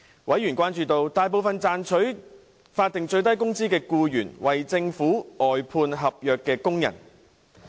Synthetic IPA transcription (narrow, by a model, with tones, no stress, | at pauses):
wʔɐ˨˥jɥyː˨˩nkʷwaː˥nt͡ʃyː˧t̪o˧wt̪aː˨˧jp̬o˨˧wfɐ˨nt͡saː˨nt͡ʃʰɵ˨˥ɥ | faː˧t̪ɪ˨ŋt͡ʃɵ˧ɥt̪ɐ˥jkʊ˥ŋt͡siː˥kɛː˧kuː˧jyː˨˩nwɐ˨jt͡sɪ˧ŋfuː˨˥ɔː˨jpʰuː˧nɦɐ˨p̚jœː˨kːɛː˧kʊ˥ŋjɐ̰˨˩n